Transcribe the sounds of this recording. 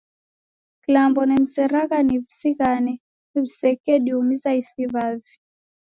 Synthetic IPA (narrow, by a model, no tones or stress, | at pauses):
kilambɔnɛm̩sɛɾaɣanivisiɣanɛ | ɛβisɛkɛɗiumizaisiβavi